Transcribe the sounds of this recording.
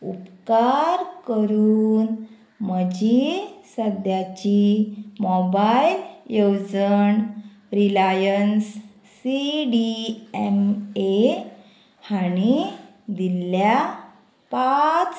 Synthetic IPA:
upkaɾkəɾuːn | məd͡ʑisəd̪ʱjat͡ɕimɔbailjewd͡zən | ɾilajənsː | iɖiɛme | haɽ̃i | d̪ilja | pat͡s

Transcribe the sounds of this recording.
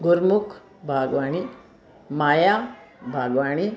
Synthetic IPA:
ɡuɾmukʰ | bʱaːɡʋaːɳi | majaːbʱaːɡʋaːɳ̃i

